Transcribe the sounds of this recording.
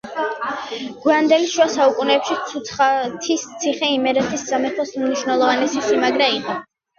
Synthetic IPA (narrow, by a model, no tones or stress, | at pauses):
ɡ̥iand̪ɛliʃuasaukʼunɛːpʃit̪sʰut̪sʰχat̪ʰist̪sʰiχɛimɛɾɛt̪ʰisz̥amɛpʰɔsmniʃwnɛlˠɔvanɛsisimaɡɾaiqɔ